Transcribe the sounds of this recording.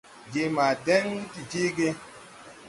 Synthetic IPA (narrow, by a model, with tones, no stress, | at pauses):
d͡ʒe˨ma˨dɛ˦ndi˨d͡ʒi˦ɡe˦